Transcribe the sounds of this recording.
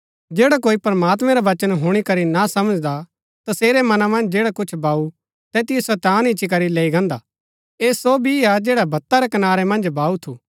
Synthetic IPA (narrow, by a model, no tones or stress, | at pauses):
d͡ʒeːɽakoːipɾɐmaːt̪mɛ̃ɾaʋɐt͡ʃənɦʊɽ̃ikɐɾinasɐməd͡ʒd̪a | t̪ɐseːɾemɐnamɐ̃nd͡ʒd͡ʒeːɽakʊt͡ʃʰbaːu | t̪ɛːt̪ɪjosɛt̪aːnɪt͡ʃːik̬ɐɾileːiɡɐ̃ːnd̪a | eːsobʱiad͡ʒeːɽabʱɐt̪ːaɾɛkɐnaːɾemɐ̃nd͡ʒbʱaːut̪ʰuː